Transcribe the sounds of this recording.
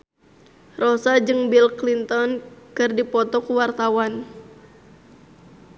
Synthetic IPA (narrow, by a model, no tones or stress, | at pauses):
rɔsad͡ʒɨŋbilklint̪ɔnkɨrdipɔt̪ɔkuwart̪awan